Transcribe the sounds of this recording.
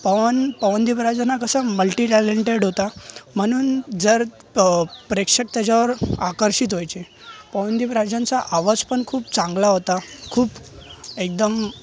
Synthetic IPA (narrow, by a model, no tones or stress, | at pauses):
pəʋənpəʋənd̪ipɾad͡ʑanakəsaməlʈiʈæleɳʈeɽɦot̪am̤əɽ̃uːnd͡zəɾ | pɾekʂək̚t̪jat͡ɕaʋəɾakəɾɕit̪ɦojt͡se | pəʋənd̪ipɾad͡ʑãnt͡saʔaʋəspəɳkʰuːp̚t͡sãŋɡlaɦot̪akʰuːp | ek̚d̪əm